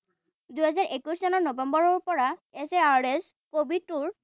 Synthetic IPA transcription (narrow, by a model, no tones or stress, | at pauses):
d̪uɦɛzaɹʔekusɔnɔɹnobembɔɹɔɹpɔɹaeseaɹɖes | kobiʈuɹ